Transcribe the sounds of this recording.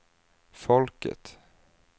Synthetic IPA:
fɔlkə̰t̪

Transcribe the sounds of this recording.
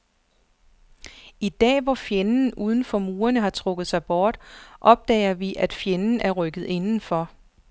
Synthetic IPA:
id̥ɛ̰ːʋɒfjenn̩uːð̞ˠn̩fɒ̽muːɐnəɦɑ̈t͡sʰʁɔɡ̥ð̞̩ˠsɑ̈ɪb̥ɒːd̥ʔɒ̽b̥̚d̥ɛ̰ɪɐʋiʔæd̥fjenn̩æɐʁœɡ̥ð̞̩ˠe̝nn̩fɒ̽

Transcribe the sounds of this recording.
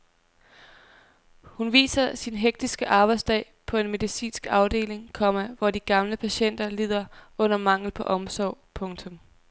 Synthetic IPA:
hunʋḭːsɐsinɦeɡ̥̚d̥isɡ̥əʔɑ̈ːb̥ɑ̈ɪdsd̥ɛ̰ːɪ | pʰɒ̽e̝nme̝ðˠisḭːnsɡ̥ɑ̈ʊd̥e̝̰ːle̝ŋkʰɒ̽m̰æʋɒd̥iɡ̥ɑ̈mləpʰæɕen̰d̥ɐlið̰ˠɐɔ̽n̰ɐmɑ̈ŋ̰l̩pʰɒ̽ʔɒ̽msɒʊ̰pʰɔ̽ŋt͡sʰɔ̽m

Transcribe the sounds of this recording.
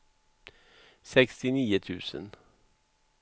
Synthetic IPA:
sɛkst̪ɪniːət̪ʰʉːsə̰n

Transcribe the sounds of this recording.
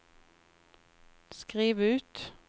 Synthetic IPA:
skʁiːʋəʉːt̪

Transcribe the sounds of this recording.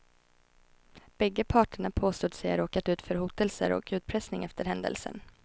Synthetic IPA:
b̥ɛɡːəpʰɑːʈəɳapʰoːst̪uːd̪sɛjæɾoːkat̪ʉ̟ːt̪fœɾhuːt̪əlsə̰ɾɔ̰kʉ̟ːt̪̚pʰɾɛsnɪŋɛft̪əɾhɛnd̪ə̰lsə̰n

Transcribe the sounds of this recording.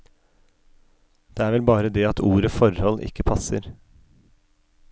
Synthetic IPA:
d̪̥eːæːɾʋɛlbɑːɾəd̪eːɑt̪ʰuːɾəfɔɾhɔlʔɪ̰kːəpʰɑsə̰ɾ

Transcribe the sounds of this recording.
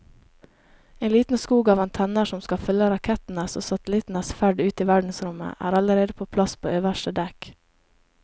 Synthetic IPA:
eɪnliːt̪n̩skuːɡɑːʋɑnt̪ʰɛnəʃɔmskɑfʏlːəɾɑkʰɛt̪n̩əsoːsɑt̪lɪt̪n̩əsfæɖʉːt̪iːʋæɖɳ̩sɾʊmə̰ʔæ̰ːɾɑləɾeːd̪əpʰoːpʰlɑspʰo̰ːøːʋəʃʈəd̪ɛk

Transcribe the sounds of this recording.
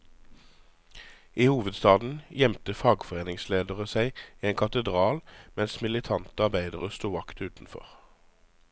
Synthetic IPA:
ʔiːhuːʋəd̪st̪ɑːd̪n̩jɛmt̪əfɑːɡfɔʁeːnɪŋsleːd̪əʁəsæɪiːeːŋkʰɑt̪əd̪ʁɑːlmɛnsmɪlɪt̪ʰɑnt̪əɑʁbæɪd̪əʁəst̪uːʋɑkt̪ʉːt̪n̩fɔ̰ʁ

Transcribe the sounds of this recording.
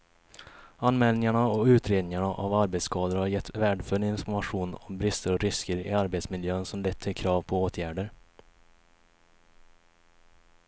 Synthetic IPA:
anmɛːlnɪŋaɳaɔʉ̟ːt̪ʰɾeːd̪nɪŋaɳaʔavaɾbɛt̪skʰɑːd̪əɾhaɾjɛt̪ːvæːɖfœɭɪnfɔɾmaɧuːnɔmbɾɪst̪əɾɔɾɪskəɾɪ̰aɾbet̪smɪljøːnsɔmlɛt̪ʰːɪlkʰɾɑːvpʰɔoːt̪ʰjæːɖəɾ

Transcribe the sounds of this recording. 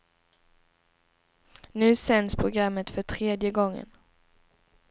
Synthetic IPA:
nʉ̟ːsɛnspʰɾʊɡɾamːət̪fœʈʰɾeːd̪jəɡɔŋːə̰n

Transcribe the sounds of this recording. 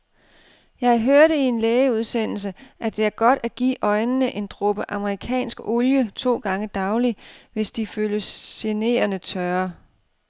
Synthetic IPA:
jɑ̈ɪɦøɐɾ̥ie̝nleːɪəuð̞ˠsen̰l̩s̬əʔæd̥e̝æɐɡ̥ɒ̽d̥æɡ̥ḭːʔɒ̽ɪnənəʔe̝nd̥ʁob̥əʔɑ̈məʁikʰɛ̰ːnsɡ̥ɔljət͡sʰo̝̰ːɡ̥ɑ̈ŋəd̥ɑ̈ʊliʋe̝sd̥iføːləsene̝̰ːɐnət͡sʰɶɐ

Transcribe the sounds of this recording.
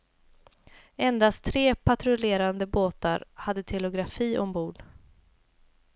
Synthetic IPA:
ɛnd̪astt̪ʰːɾeːpʰat̪ɾʊleːɾand̪əboːt̪a̰ɾhad̪ːət̪ʰɛlʊɡɾafiːʔɔmbuːɖ

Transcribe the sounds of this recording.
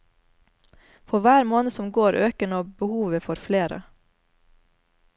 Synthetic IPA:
fɔɾʋæːɾmoːnəsɔmɡoːɾʔøːkəɳoːbəhuːʋəfɔɾfleːɾə̰

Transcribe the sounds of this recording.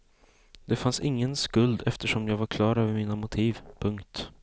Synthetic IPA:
d̪ɛfansɪŋːənskɵld̪ɛft̪əʂɔmjɑːɡvaɾkʰlɑːɾøːvəɾmiːnamʊt̪ʰiːvpʰɵŋkt̪

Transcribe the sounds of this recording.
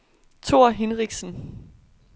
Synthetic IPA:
t͡sʰo̝ɐ̰ɦenʁiɡ̥sn̩

